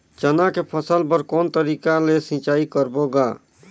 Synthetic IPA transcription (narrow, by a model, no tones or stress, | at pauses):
t͡ʃənakepʰəsəlpəɾkɔːnt̪əɾiːkalesĩt͡ʃaːikəɾboɡa